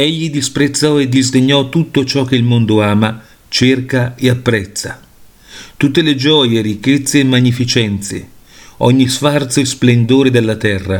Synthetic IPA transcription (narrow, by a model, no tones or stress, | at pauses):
eʎːid̪ispɾet̪sːɔed̪izd̪eɲːɔt̪ut̪ːot͡ʃɔk̟ːeilmond̪oaːma | t͡ʃerkaeapːɾɛt̪sːa̰ | t̪ut̪ːeled͡ʒɔjeɾikːet̪sːeːmːaɲːifit͡ʃɛnt̪sḛ | ɔɲːisfart̪soesplend̪oːɾed̪elːat̪ɛrːa̰